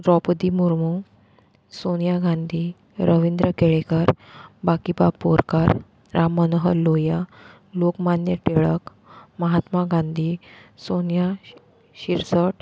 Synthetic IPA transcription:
ɾɔpd̪imuɾmu | sonjaɡãnd̪ʱi | ɾəʋind̪ɾəkeɭekaɾ | bakibabpoɾkaɾ | ɾamːənɦəloja | lokmanjəʈeɭək | məɦat̪maɡãnd̪ʱisonja | ɕiɾsəʈ

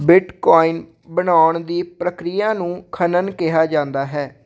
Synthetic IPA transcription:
bɪʈkɔːin | bənaːʊɳd̪iːpɾəkɾijãːnũːkʰənənkɪɦaːd͡ʒãːnd̪aːɦɛː

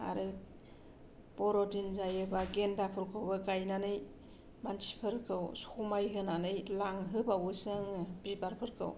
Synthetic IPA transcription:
a̰ɾɯ | bɔɾɔdinzajɯbaɡendapʰɯɾkʰɯwbaɡajnanɯj | mansʰi̥pʰɯɾkʰɯwsumajɦɯnanɯjlaŋɦɯbawɯsɯŋbibaɾpʰɯɾkʰɯ̰w

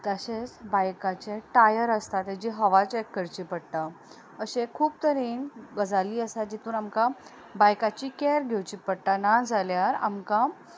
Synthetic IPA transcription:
t̪əɕet͡sbajkat͡ɕeʈajəɾəst̪at̪ad͡ʑiːɦəʋat͡ɕekːəɾt͡ɕipəɽt̪a | əɕekʰuːbt̪əɾiːnbəd͡zaliːəsad͡ʑit̪uːnamka | bajkat͡ɕikɛɾɡʱewt͡ɕiːpəɽʈanad͡zaljaɾa̰mka

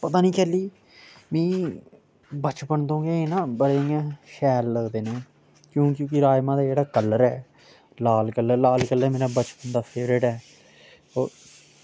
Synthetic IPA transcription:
pət̪aːnĩːkɛːliː | mɛ̃ː | bət͡ʃpənd̪õːɡeːeːnãːbəɽeːɪjãːʃɛːlːəɡd̪eːnẽː | kjõːkjõːkɪɾaːjmãːd̪aːd͡ʒeːɽaːkəlːəɾɛː | laːlkələɾlaːlkələɾmeːɾaːbət͡ʃpənd̪aːpʰeːɾeːʈɦɛː | o̰ːɾ

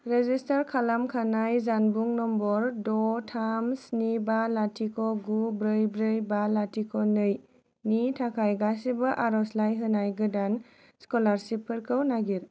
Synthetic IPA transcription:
ɾezistaɾkʰalamkʰanajzanbuŋnɔmbɔɾdɔtʰamsnibalatʰikʰɔɡubɾɯjbɾɯjbalatʰikʰɔnɯj | nitʰakʰajɡas̬ibɐʔaɾɔslajɦɯnajɡɯdan | skɔlaɾsipʰɯɾkʰɯwnaɡiɾ

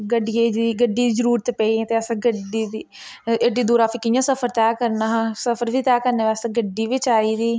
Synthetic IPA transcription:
ɡəɖieːd͡ʒiːɡəɖiːd̪iːd͡ʒəɾuːɾt̪ːpɛːiẽːt̪eːəsãːɡəɖiːd̪iː | ɡəɖiːd̪uːɾaːpʰɪkɪjãːsəfʰəɾt̪ɛːkəɾnãːsəpʰəɾʋiːt̪ɛːkəɾneːʋaːsẽɡəɖːiːʋɪt͡ʃaːiːd̪iː

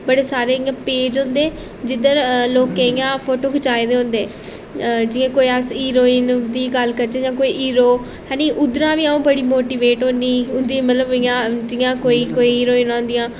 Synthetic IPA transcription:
bəɽeːsaːɾeːɪjãːpeːd͡ʒɦʊ̃nd̪eː | d͡ʒɪd̪əɾloːkẽɪjãːpʰoːʈoːkʰət͡ʃaːed̪eːɦʊ̃nd̪eː | d͡ʒɪjãːkoːiəsiːɾoːind̪iːɡəlkəɾd͡ʒẽːd͡ʒãːkoːiːiːɾoː | ɦɛ̃ːniʔʊd̪ɾãːʋiːaũːbəɽiːmoːʈiːʋeːʈɦõnd̪iːʊnd̪ĩːmət̪ləbɪjãːd͡ʒɪjãːkoːiːkoːiːiːɾoːiːnãːnd̪ɪjãː

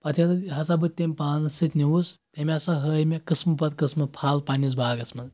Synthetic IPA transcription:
pɐt̪ʰʲɐt̪ɐɦɐsɐbɨt̪ːemʲpaːnɐsɨt̪ʲniwust̪emʲɐsɐɦəːjmʲekɨsmɨpɐt̪kɐsmɨpʰaːlpaːnʲis̬baːɡɐsmɐn

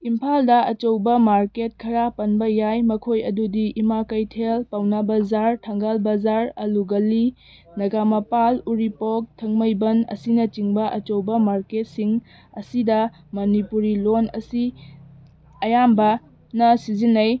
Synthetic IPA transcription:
impʰaldɐɐt͡ʃowbɐmaɾket̚kʰɐɾapɐnbɐjajmɐkʰojɐdudiʔimakɐjtʰelpawnɐbazaɾtʰɐŋɡalbazaɾɐluɡɐli | nɐɡamɐpaluɾipok̚tʰːɐŋmɐjbɐnɐ̰sinɐt͡ʃiŋbɐʔɐt͡ʃowbɐmaɾket̚siŋ | ɐsidɐ | mɐnipuɾilonɐ̰si | ɐjambɐ | nɐsizinːɐj

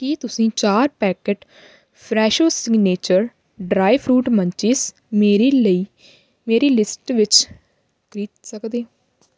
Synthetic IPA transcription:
kiːt̪ʊsĩːt͡ʃaːɾpɛːkeʈ | pʰɾɛːʃoːsɪɡneːt͡ʃəɾ | ɖɾaːipʰɾuːʈmə̃ɲt͡ʃɪs | meːɾeːləiː | meːɾeːlɪsʈʋɪt͡ʃ | kɾiːt̪səkd̪eː

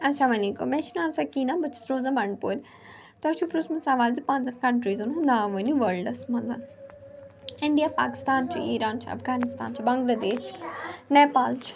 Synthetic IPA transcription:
ɐsamɐliːko̰meʃinaːmsakiːnãːbɐt͡ʃʰi̥sɾoːzɐbɐɳɖpoːlʲ | t̪ɐɐʃʰupɾusmɐnsãːʋaːlzipãːnzɐnkɐʈɾiːzɐnɦũnd̪aːʋɐniʋɐlɖɐsmɐ̃nzɐn | ɪɳɖijaːpaːki̥st̪aːnt͡ʃʰiiːɾaːnt͡ʃʰiɐ̰fɡaːnɪst̪a̰ːnt͡ʃʰibɐŋɡlaːd̪eːʃneːpaːlt͡ʃʰi̥

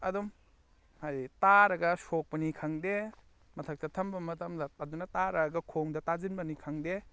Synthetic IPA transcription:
ɐdum | hajtaɾɐɡɐsok̚pɐnikʰaŋde | mɐtʰɐk̚tɐtʰɐmbɐmɐtɐmdɐːdunɐtaɾɐɡɐkʰoŋdɐtazinbɐnikʰaŋde

